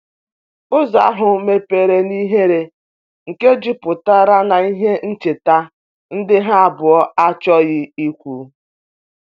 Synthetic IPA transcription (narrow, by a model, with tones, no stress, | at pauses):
ʊ˦za̰˨a˦ɦʊ˨me˨pe˨ɾe˨ni˦ɦe˦ɾe˨ | ŋ̩˨ke˦d͡ʒi˦pʊ˨ta˦ɾa˦na˨i˦ɦe˦n̩˦t͡ʃe˨ta˦ | n̩˦dɪ˦ɦa˦a˦bʊ˨ɔ˦a˦t͡ʃɔ˦ɣjɪ˦i˦kʷu˨